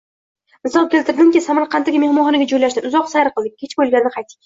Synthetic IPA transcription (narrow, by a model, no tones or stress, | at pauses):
nɪsɒlˠkʲe̞lt̪ɪɾd̪ɪŋkʲɪsamaɾqʰɑnaɡʲame̞hmɒχɒnɪɡʲad͡ʒojlaʃd̪ɪnʊzɒqsaɾqʰɨlˠd̪ɪkʲːʰet͡ʃbolˠɡʲanɪnɪqʰɑjt̪ːɪ̥kʲ